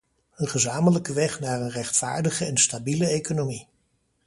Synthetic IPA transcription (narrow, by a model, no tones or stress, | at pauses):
ənχəzaːmələkəʋɛχnaːɹənrɛχtfa̰ːɹdəχəɛnstabiləejkonomi